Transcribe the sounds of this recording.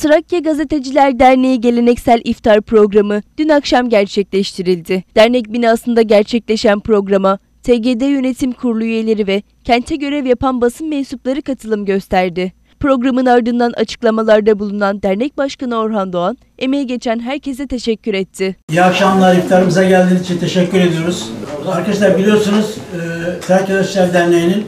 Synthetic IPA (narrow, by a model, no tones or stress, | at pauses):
t̪ɯɾacjaɡaze̞t̪e̞d͡ʒilʲæɾd̪æɾnejiɟe̞lʲe̞nɛcsælʲʔift̪ʰaɾpɾo̞ɡɾamɯd̪̥ynakʃamɟæɾt͡ʃʰɛclʲɛʃt̪ʰiɾilʲd̪ɪd̪̥æɾnɛc̚binaːsɯnd̪aɟæɾt͡ʃʰɛclʲe̞ʃænpɾo̞ɡɾama | t̪ʰeɟeːd̪ejø̞ne̞t̪ʰimkʰuɾlˠuyje̞lʲe̞ɾivɛ | cʰɛnt̪ʰɛɟø̞ɾɛvjapanbasɯnmesuplˠaɾɯkʰat̪ʰɯlˠɯmɟø̞st̪ʰæɾd̪ɪ | pɾo̞ɡɾamɯnaɾd̪ɯnd̪anʔa̰t͡ʃʰɯ̥klˠamalˠaɾd̪abulˠunand̪æɾnɛc̚baʃkanɯo̞ɾɦand̪oan | e̞me̞jɛɟe̞t͡ʃʰænɦæɾcʰe̞s̬ɛt̪ʰe̞ʃɛcːyɾɛt̪ʰːɪijakʃamlˠaɾjɯkt̪ʰaɾɯmɯzaɟælʲd̪inizit͡ʃʰint̪ʰe̞ʃɛcːyɾe̞d̪ijo̞ɾuz̥aɾkaʃlˠaɾbilʲijo̞ɾsunuz̥t̪ʰæɾcad̪aʃlʲæɾd̪ænlʲejinin